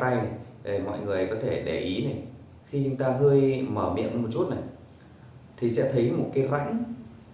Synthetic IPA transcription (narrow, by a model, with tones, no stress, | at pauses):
t̪a˧jna˨˩jɗe˧˨˩mɔ̰˧˨jŋɨ˨˩ə˨jkɔ˨˦t̪ʰe˧˩ɗe˧˩ʔi˨˦na˨˩j | xi˧t͡ɕʊ˨˦ŋ͡mt̪aː˧ɦəː˧jməː˧˩mḭ˧˨ənmo˨˩t̚t͡ɕu˦˥t̚na˨˩j | t̪ʰi˨˩sɛ̰˧˥t̪ʰə˨˦jmo˨˩t̚kaː˨˦jza̰˧˥ŋ